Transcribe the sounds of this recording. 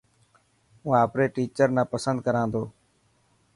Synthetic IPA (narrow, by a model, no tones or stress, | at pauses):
ũːaːpɾeːʈiːt͡ʃəɾnãːpəsə̃nd̪kəɾãːnd̪oː